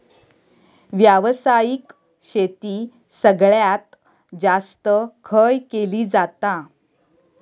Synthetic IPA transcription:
ʋjaʋsajik | ɕet̪iː | səɡɭjat̪ | d͡zast̪əkʰəjkeliːd͡zat̪a

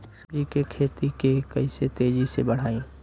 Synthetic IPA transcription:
ʃɾikekʰeːt̪ikekɐɪset̪eːd͡ʒisebɐɽ̤aːĩː

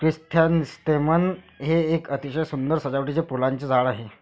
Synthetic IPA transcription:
kɾist̪ʰjanist̪emən | ɦeːkət̪iɕəjsund̪əɾsəd͡ʑaʋʈit͡ɕepulaɲt͡ɕed͡zʱaɭaɦe

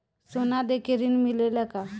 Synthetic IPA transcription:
sonad̪ekʰeɾiːnmileləka

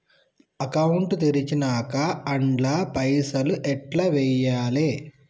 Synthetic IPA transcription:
ɐkɐwuɳʈt̪eɾit͡ʃinakɐːɳɖlaːpɐjsɐluʔɛʈlaːʋɛjaːleː

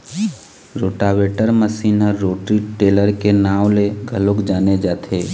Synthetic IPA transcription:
ɾoːʈaːʋweːʈəɾməsiːnəːoːʈɾiʈeːləɾkenaːʋleɡʱəlokd͡ʒaːned͡ʒaːt̪ʰeː

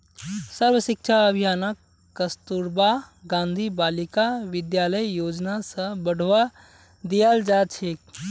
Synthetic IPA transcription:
sɐɾʋəʃɪk̚t͡ʃʰaɐbʱijaːnəkː | ɐst̪uɾbaɡãːnd̪ʱibaːlɪkaʋɪd̪jaːləjjoːd͡ʒnasə̃bɐɽ̤ʋa | d̪ijald͡ʒaːt͡ʃʰeːk

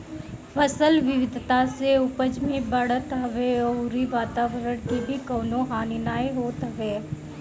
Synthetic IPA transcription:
fʰɐsəlʋɪʋɪd̪ʱt̪aseʊpəd͡ʒmẽbɐɽ̤ət̪ɦɐʋeɔːʊɾiʋaːt̪aːʋəɾəɽ̃kebʱikɔːnõɦaːninaːeɦoːt̪ɦɐʋeː

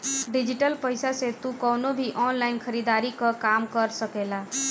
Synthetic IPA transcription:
ɖid͡ʒiʈəlpəjsaset̪ukəwnobʱiʔɔnlaɪnkʰəɾid̪aɾikəkamkəɾsəkela

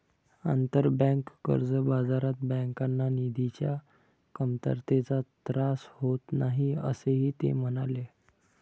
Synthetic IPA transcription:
a̰nt̪əɾbə̃ŋkːə̰ɾd͡zəbad͡zaɾat̪bə̃ŋkanːanid̪ʱit͡ɕja̰ | kəmt̪ə̰ɾt̪et͡sat̪ɾashot̪naɦiə̰seɦiːt̪ḛm̤ənale

